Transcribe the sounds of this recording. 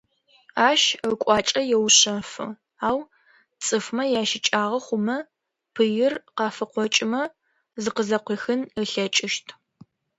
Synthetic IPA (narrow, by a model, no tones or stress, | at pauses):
aːʃkʷʼɑːt͡ʃʼɐjɛwɕɐfɨ̰ | aːw | t͡sʼɨfmɐjaːʃɪt͡ʃʼaːʁɐχʷʊmɐ | pʰɨjɪrqɑːfɨqʷɔt͡ʃʼɪmɐ | zɨqəzɐqʷiːxɨnəɬɐt͡ʃʼɪʃtʰ